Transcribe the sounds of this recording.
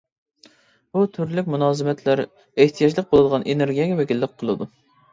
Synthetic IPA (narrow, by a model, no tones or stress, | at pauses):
but̪ʰyɾlykʲmunɑːzɨmɛt̪ʰlæɾ | eht̪ʰijɑd͡ʒlˠəq̚bolˠd̪əʁɑnʔeneɾɡʲijɛɡʲɛvɛkʲilːɪqqʰːəlˠɨd̪u